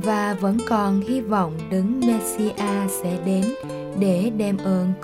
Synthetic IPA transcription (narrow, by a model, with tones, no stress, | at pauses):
vaː˨˩və̰˧˥nkɔ˨˩nhi˧vɔ̰˧˨wŋ͡mɗɨ˨˦ŋmɛ˧t̚si˧ʔaː˧sɛ̰˧˥ɗe˨˦n | ɗe˧˩ɗɛ˧mʔəː˧n